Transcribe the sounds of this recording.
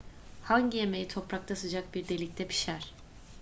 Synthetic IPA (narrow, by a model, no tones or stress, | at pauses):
haɲɟije̞me̞jit̪ʰopɾak̚t̪ʰasɯd͡ʒak̚biɾd̪e̞lʲic̚t̪ʰɛpʰi̥ʃæɾ̥